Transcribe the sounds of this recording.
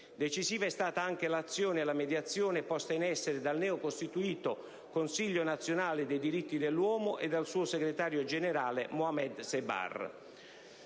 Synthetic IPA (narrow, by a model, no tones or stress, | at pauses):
d̪et͡ʃiziːvaɛst̪aːt̪aaŋk̟elat̪sːjɔːnɪalamed̪jat̪sːjɔːnepɔst̪ainɛsːeɾed̪alnɛːokost̪it̪uiːt̪o | konsiʎːonat̪sːjonaːled̪ejd̪iɾit̪ːid̪elːwɔːmʊʔed̪ːalsuːoseɡɾet̪aːɾjod͡ʒeneɾaːlemoamɛd̪seba̰r